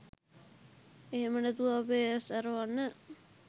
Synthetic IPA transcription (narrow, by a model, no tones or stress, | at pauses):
eɦemənət̪uʋaːbesaɾəʋanːə